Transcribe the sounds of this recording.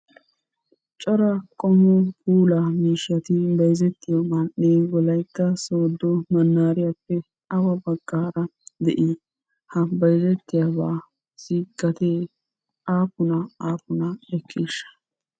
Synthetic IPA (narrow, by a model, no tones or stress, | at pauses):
t͡ʃʼɔɾɐkʼɔmːɔkuːlamiːʃɪjɐt̪ɪbɐjzɛt̪ːɪjɔmɐnːeːwɡɔlɐjt̪ːɐsoːd̪ːɔmɐnːaːɾɪjapːɛ | ʔɐwɐbɐɡːaːɾɐd̪ɛ̰ʔɪ | hɐbɐjzɛt̪ːɪjabaː | siɡ̥ɐt̪eː | ʔaːpʊnɐaːpʊnɐɛkʰʼːiːʃːɐ̥